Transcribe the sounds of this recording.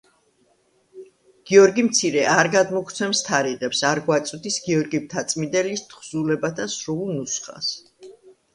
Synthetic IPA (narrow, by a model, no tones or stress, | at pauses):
ɡ̥iɔɾɡimt̪sʰiɾɛʔaɾɡad̪mɔkʰt̪sʰɛmst̪ʰaɾiʁɛpsaɾɡwat̪sʼwd̪isɡiɔɾɡib̚t̪ʰat̪sʼmid̪ɛlist̪ʰχz̥ulɛbat̪ʰasɾunusχa̰s